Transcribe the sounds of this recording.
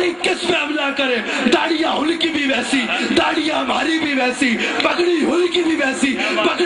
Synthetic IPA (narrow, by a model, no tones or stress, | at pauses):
ɾiːkɪspɛːmlaːkɐɾeːd̪aːɽijãːɦʊlkibʱiʋɛːsiːd̪aːɽijãːmaːɾibʱiʋɛːsiːpɐkɽiɦʊlkibʱiʋɛːsiːpɐk